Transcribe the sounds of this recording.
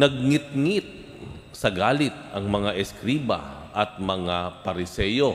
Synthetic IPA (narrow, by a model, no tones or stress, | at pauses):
nɐɡ̚ŋɪt̪̚ŋɪt̪̚ | sɐɡaːlɪt̪̚ɐŋmɐŋaʔɛskɾiːbɐ̰ʔɐt̪̚mɐŋapɐɾɪsɛːjo̞